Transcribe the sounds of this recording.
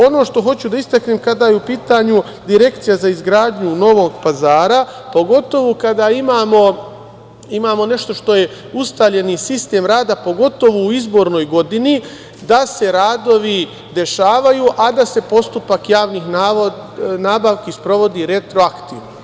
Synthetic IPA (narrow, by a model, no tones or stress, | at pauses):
o̞no̞ːʃt̪o̞ɦo̞t͡ɕud̪aist̪akneːmkad̪ajeupiːt̪aɲu | d̪iɾe̞kt̪sijazaizɡɾaːd̪ɲuno̞ʋo̞ːɡpazaːɾapo̞ɡo̞t̪o̞ʋukad̪aimaːmo̞ | imaːmo̞ne̞ʃt̪o̞ʃt̪o̞je̞ | ust̪aʎe̞nisist̪e̞ːmɾaːd̪apo̞ɡo̞t̪o̞ʋuuizbo̞ːɾno̞jɡo̞d̪ini | d̪ase̞ɾaːd̪o̞ʋi | d̪e̞ʃaːʋajuʔad̪ase̞po̞st̪upakjaːʋniːxna | naːbaʋkespɾo̞ʋo̞d̪iɾe̞t̪ɾo̞akt̪ḭːʋno